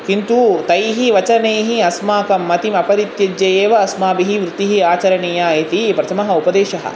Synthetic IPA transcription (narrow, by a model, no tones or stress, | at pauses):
kint̪ut̪ɐjɦiʋɐt͡ʃɐneːɦiɐsmaːkɐmːɐt̪imɐpɐɾit̪jɐd͡ʒjɐjeːʋɐːsmaːbiɦiʋɾut̪iɦiaːt͡ʃɐɾɐneːjaːjɐt̪ipɾɐt̪ʰɐmɐɦɐupɐd̪eːʃɐɦɐ̰